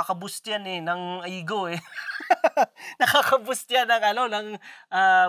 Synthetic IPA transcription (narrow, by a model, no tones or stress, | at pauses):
akɐbʊst̪janɛnɐŋʔɐiːɡoɛ | nɐkaːkɐbʊst̪janːɐŋʔɐlonɐŋʔa